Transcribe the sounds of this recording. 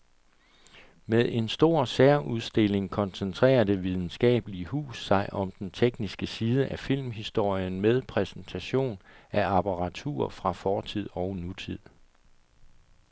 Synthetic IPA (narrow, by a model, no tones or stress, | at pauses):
meðˠe̝nsd̥o̝ɐ̰seɐʔuð̞ˠsd̥e̝le̝ŋkʰɒ̽nsent͡sʰʁɛ̰ːɐd̥e̝ʋið̞ˠn̩sɡ̥ɛ̰ːb̥əliəɦṵːsːɑ̈ɪʔɒ̽md̥ent͡sʰeɡ̥nisɡ̥əsiːð̞ˠəʔæfil̰mɦisd̥o̝ɐ̰jənmeð̞ˠpʰʁɛsent͡sʰæɕo̝̰ːnæɑpʰɑ̈ʁɑ̈t͡sʰṵːɐ̰fʁɑ̈fɒːt͡sʰið̞̰ˠɒ̽ʊnut͡sʰið̰ˠ